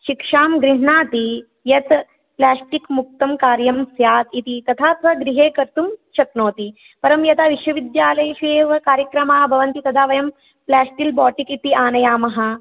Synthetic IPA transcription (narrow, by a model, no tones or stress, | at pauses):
ʃikʂaːmɡɾiɦɳaːt̪i | jɐt̪ | plaːsʈikmuk̚t̪ɐmkaːɾjɐmsjaːt̪it̪it̪ɐt̪ʰaːt̪ʋɐɡɾiɦeːkɐɾt̪umʃɐknoːt̪i | pɐɾɐmjɐt̪aːʋiʃʋɐʋid̪jaːlɐjʃeːʋɐkaːɾjɐkɾɐmaːbʱɐʋɐnt̪it̪ɐd̪aːʋɐjɐm | plaːsʈilbɔːʈikit̪iaːnɐjaːmɐɦɐ